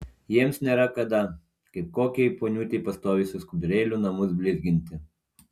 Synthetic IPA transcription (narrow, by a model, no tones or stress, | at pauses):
jiɛmsnʲeːɾɐkɐd̪ɐ | kɐɪp̚koːkʲɛɪpoːnʲuːt̪ʲeɪpɐst̪oːʋʲisʲʊskʊd̪ʲɾʲeːlʲʊnɐmʊs̬bʲlʲɪɾʲɡʲɪnʲt̪ʲɪ